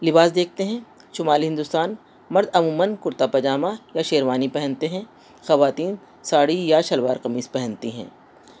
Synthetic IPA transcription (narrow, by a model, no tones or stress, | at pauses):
lɪbaːsd̪eːk̚ʰt̪eɦɛ̃ | ʃʊmaːlɦɪ̃nd̪ʊst̪aːn | mɐɾd̪ɐmuːmənkʊɾt̪apɐd͡ʒaːmajaʃeːɾʋaːnipɛɦɛ̃nt̪eɦɛ̃ | xɐʋaːt̪iːn | saːɽijaʃɐlʋaːɾqɐmiːzpɛɦɛ̃nt̪iɦɛ̰̃ː